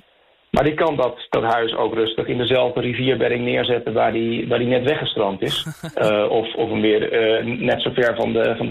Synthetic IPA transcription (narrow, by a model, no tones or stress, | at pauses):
ma̰ɹdikɑndɔtd̥ɔtɦœɥso̰wkrøstəχɪndəzɛlˠvdəriviəɹbɛɾɪŋnɪːɹzɛtəʋaːɹdiʋaːɹdinɛtʋɛχəstrɔmtɪs | ɔfɔfənʋɪərnɛtsowfɛɹfɑndəfɑn